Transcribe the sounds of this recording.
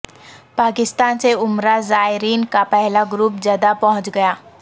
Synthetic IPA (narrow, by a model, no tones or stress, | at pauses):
paːkɪst̪aːnseʊmɾazaːɪɾiːnkapɛɦlaɡɾuːp̚d͡ʒjaːd̪apɐɦʊ̃t͡ʃɡɐjaː